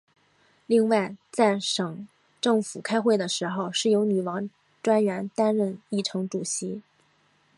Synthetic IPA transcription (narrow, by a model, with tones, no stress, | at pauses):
li˥˧ŋwa˥˩ɪt͡sa˥˩ɪʂɤ˨˩ŋ | ʈ͡ʂɤ˥˩ŋfu˨˩kʰa˥ɪxwe˥˩ɪd̪ə˩ʂɻ̩˧˥xo˧ʊʂɻ̩˥˩jo˧˥ʊny˨˩wɑ˧˥ŋ | ʈ͡ʂwa˥nɥɛ˧˥nt̪a˥nɻə˥˧ni˥˩ʈ͡ʂʰɤ˧˥ŋʈ͡ʂu˨˩ɕi˧˥